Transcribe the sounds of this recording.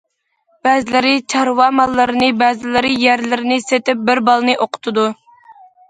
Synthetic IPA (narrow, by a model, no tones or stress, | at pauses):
b̥ɛːzɪlɪɾɪt͡ʃʰɑɾwɑmɑlˠːɨɾɨnɨbɛzɪlɪɾɪjæɾlɪɾɪnɪset̪ɪp̚bɪɾbɑlˠnɨʔoqʰʊ̥t̪ʰɨd̪u